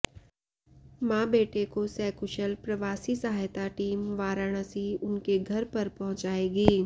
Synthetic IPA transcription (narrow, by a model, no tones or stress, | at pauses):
mãːbeːʈekosɛːkʊʃəlpɾɐʋaːsisɐɦaːjt̪aʈiːmʋaːɾaːɽ̃əsiʊnkeɡʱɐɾpɐɾpɐɦʊ̃t͡ʃaːeːɡiː